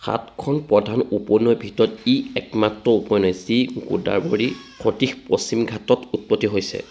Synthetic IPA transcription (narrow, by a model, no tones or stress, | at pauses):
xa̰tkʰɔnpɹɔdʱanupɔnɔjbʱitɔɔtiɛkmatɹɔupɔjnɔjsiɡṵda̰ɹboɹikʰotixposimɡʱatɔtut̚pɔtːiɦojsɛ̰